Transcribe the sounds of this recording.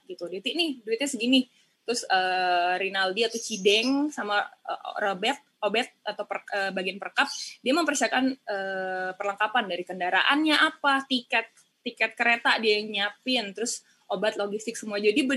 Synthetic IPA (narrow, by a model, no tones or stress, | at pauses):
ɡit̪udet̪iʔnɪhduɪt̪̚ɲasəɡinɪ | t̪ɾʊsəːɾinaldiat̪at͡ʃidɛŋsama̰ɾobɛt̪̚obɛt̪̚at̪awpərəːbaɡianpərkap̚diaməmpərsiakanəːpərləŋkapandaɾikəndaɾa̰ʔanɲaʔapat̪ikɛt̪̚ː | ikɛt̪̚kəɾet̪adiajaŋɲapɪnt̪əɾʊs | ʔobat̪̚loɡist̪ɪk̚səmuad͡ʒadibə